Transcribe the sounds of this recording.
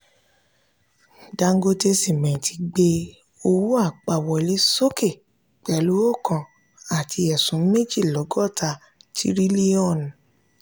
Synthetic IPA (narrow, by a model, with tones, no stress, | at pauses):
da˧ŋ˦ɡo˦te˧si˦˨mɛ̃˨tʰi˨˧ɡ͡be˧ | o˧wu˦a˦˨k͡pa˨wɔ˨e˨le˨˦so˦ke˦˨ | k͡pɛ˨˦lu˨˦o˦˨kʰã˧ | a˨tʰi˧ɛ˨sũ˨˦m̩˦me˦d͡ʒi˦˨lɔ˨˦ɡɔ˦˨tʰa˧ | tʰḭ˦ɾi˦li˦ɔ̃˦˨n˨